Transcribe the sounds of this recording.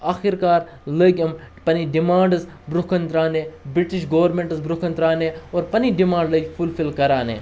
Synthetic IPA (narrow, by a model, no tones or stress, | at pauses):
aːxiɾkaːɾ | ləːkʲɐmpɐniɖimãːɳɖɨzbɾukʰɐnt̪ɾaːnẽːbɾiʈiʃɡɐʋɐɾmẽɳʈɨzbɾukʰɐnt̪ɾaːnẽːoːɾpɐniɖimãːɳɖləːkʲfulfilkɐɾaːnḛː